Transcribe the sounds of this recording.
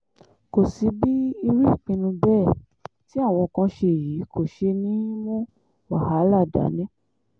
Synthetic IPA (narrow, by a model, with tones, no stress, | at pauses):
ko˨si˨˦bi˦i˧ɾi˦˨k͡pĩ˧nũ˧bɛː˦˨ | ti˦a˦˨w̃ɔ̃˧˨kã˧˦ʃe˧˨ji˨˦kʰo˨ʃe˧nĩ˨˦wɔ̃˦ | wa˦˨ha˨˦la˦˨da̰˨˦nɛ̃˦